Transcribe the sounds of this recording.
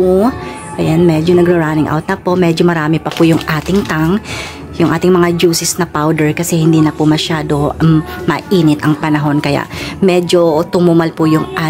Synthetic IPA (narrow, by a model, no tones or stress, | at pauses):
ʔɐjanmɛd͡ʒonɐɡɾɐɹaːnɪŋʔa̰wt̪nɐpo̞mɛːd͡ʒomɐɾaːmɪpɐpʊjʊŋʔaːt̪ɪŋt̪aŋ | jʊŋʔaːt̪ɪŋmɐŋad͡ʒuːsɪsnɐpawd̪ɛɹkɐsɛhɪnd̪iːnɐpʊmɐʃaːd̪o̞mɐʔiːnɪt̪ɐŋpɐnɐɦo̞nkɐja̰ʔmɛd͡ʒo̞t̪ʊmʊmɐlpʊjʊŋʔa